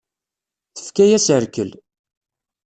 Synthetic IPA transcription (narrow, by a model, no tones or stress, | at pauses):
θə̥fkæjæsəɾkəl